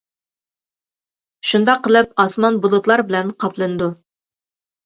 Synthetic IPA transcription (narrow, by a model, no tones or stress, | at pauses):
ʃund̪ɑqʰːəlˠɨp̚ɑsmɑnbulˠɨt̪lˠɑɾbɪlɛnqʰɑplˠɨnɨd̪u